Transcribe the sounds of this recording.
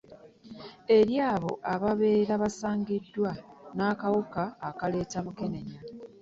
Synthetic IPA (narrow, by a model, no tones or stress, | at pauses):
e̞ɾjaːβo̞̰ʔaβaβeːɾaβasaːŋɡidːwanaːkawukaːkale̞ːtamuke̞ne̞ɲa